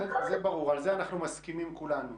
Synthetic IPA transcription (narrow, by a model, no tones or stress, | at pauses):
ezebaʁuʁalzeanaχnumaskimimkulanu